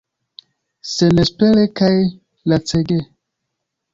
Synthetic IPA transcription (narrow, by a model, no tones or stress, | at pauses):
senespelekaj | lat͡seɡe